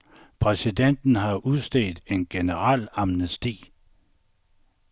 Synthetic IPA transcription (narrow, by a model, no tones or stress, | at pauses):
pʰʁɛsid̥en̰d̥n̩ɦɑ̈ʔuðˠsd̥eːd̥e̝nɡ̥e̝nəʁɑ̰̈lɑmnəsd̥ḭː